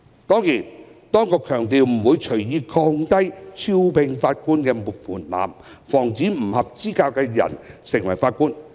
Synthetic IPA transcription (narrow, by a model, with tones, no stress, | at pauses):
t̪ɔː˥ŋjiː˨˩nt̪ɔː˥ŋkɔː˧kʰœː˨˩ŋt̪iː˨˧wm̩˨˩wuː˨˧jt͡ʃʰɵ˨˩ɥjiː˨˧kʰɔː˧ŋt̪ɐ˥jt͡sʰi˥wpɪ˧ŋfaː˧t̚kuː˥nkɛː˧mʊ˨k̚mʰuː˨˩nla̰ː˨m | fɔː˨˩ŋt͡siː˨˥m̩˨˩hɐ˨p̚t͡siː˥kaː˧wkɛː˧jɐ̰˨˩nsɪ˨˩ŋwɐ̰˨˩jfaː˧t̚kuː˥n